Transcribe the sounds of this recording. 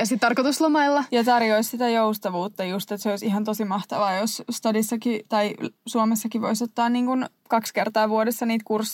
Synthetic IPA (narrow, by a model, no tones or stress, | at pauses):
jɑsit̪t̪ɑrkot̪uslomɑilːɑjɑt̪ɑrjoissit̪æjoust̪ɑʋuːt̪ːɑjust̪et̪seoisiɦɑnt̪osimɑht̪ɑʋɑːjosst̪ɑdisːɑkit̪ɑisuomesːɑkiʋoisot̪ːɑːnniːŋkun | kɑkskert̪ɑːʋuodesːɑniːt̪kursː